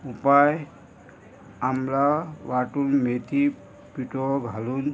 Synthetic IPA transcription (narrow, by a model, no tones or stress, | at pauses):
upaj | amlaʋaʈulmet̪ʰi | piʈoɡʱalun